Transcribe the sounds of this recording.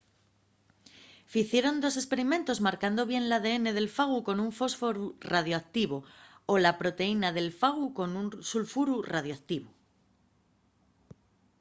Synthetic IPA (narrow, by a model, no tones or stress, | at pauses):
fiθje̞ɾo̞nd̪o̞se̞spe̞ɾimẽ̞nt̪o̞zmaɾkand̪o̞βje̞nlað̞e̞e̞ne̞ð̞e̞lfaɣ̞uko̞nuɱfo̞sfo̞ɾurað̞joak̚t̪iβ̞oolapɾo̞t̪e̞inaðe̞lfaɣ̞uko̞nunsulfuɾuraðjoak̚t̪iβ̞u